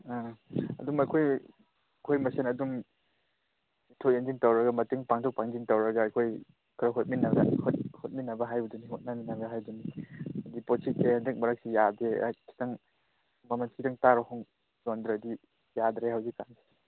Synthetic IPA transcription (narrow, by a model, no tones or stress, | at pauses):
aɐ̰dumɐkʰoj | kʰojmɐsenɐdum | itʰok̚jend͡ʒiŋtowɾɐɡɐmɐteŋpaŋtʰok̚paŋziŋtɐwɾɐɡaːjkʰoj | kʰɾaɦot̚minɐɡa̰hot̚hot̚minɐbɐɦajbɐdunihot̚nɐminɐbɐɦajdunidiposʰit̚ːehandɐk̚mɐɾɐk̚sijadḛkʰi̥taŋ | mɐmanskidaŋtaɾɔhɔŋ | zondɾadi | jadɾehawzikanze̥